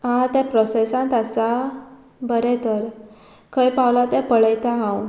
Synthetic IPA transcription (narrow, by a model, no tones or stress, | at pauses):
ɦãt̪ɛ̃pɾɔsesãnt̪əsa | bəɾɛt̪əɾ | kʰəjpawlat̪ɛ̃pəɭəjt̪aɦãw